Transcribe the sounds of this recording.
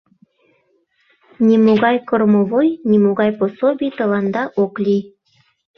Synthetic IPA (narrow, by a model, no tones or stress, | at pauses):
nʲimoɣɑjkormovojnʲimoɣɑjposobʲit̪ə̆lɑnd̪ɑʔoklʲi